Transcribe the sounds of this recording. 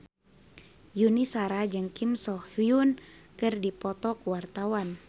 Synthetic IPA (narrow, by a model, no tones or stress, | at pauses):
junisaɾad͡ʒɨŋkimsɔhhujunkɨrdipɔt̪ɔkuwart̪awan